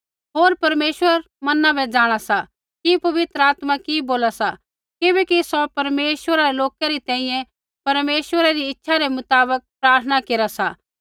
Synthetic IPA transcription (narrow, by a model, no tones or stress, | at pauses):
ɦoːɾpɐɾmeːswəɾ | mɐnabɛd͡ʒaːɽ̃asa | kipɐʋɪt̪ɾəaːt̪makiboːlasa | kɪbɛkisɔpɐɾmeːswəɾaɾeloːkaɾit̪ɛ̃ːĩjɛ̃ | pɐɾmeːswəɾaɾiɪtːʃʰaɾemʊt̪aːbək̚pɾaːɾt̪ʰənakeːɾasa